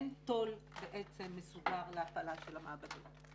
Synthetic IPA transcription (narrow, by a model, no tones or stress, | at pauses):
nto̞lbeʔet͡se̞mːesudaʁleafalaʃelameabadim